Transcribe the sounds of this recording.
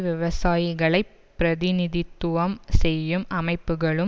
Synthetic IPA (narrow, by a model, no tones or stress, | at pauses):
ʋɪʋɐsaːjɣɐɭɐɪpː | ɾɐðɪnɪðɪt̪ːʊʋɐmsɛjːɯmʔɐmɐɪpːɯɣɐɭɯm